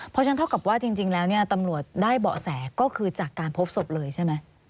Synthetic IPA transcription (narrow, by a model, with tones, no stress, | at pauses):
pʰɔ˧˦t͡ɕʰnt̪ʰa˥˩wka˨˩p̚waː˥˩t͡ɕi˧ŋt͡ɕi˧ŋlɛː˦˥wni˥˩ɐt̪a˧mɾu˨˩ət̪̚daː˥˩jbɔ̰˨˩sɛː˩˦kɔː˥˩kʰɯː˧t͡ɕaː˨˩kːaː˧npʰo˦˥p̚so˨˩p̚lɤː˧jt͡ɕʰa˥˩jma˦˥j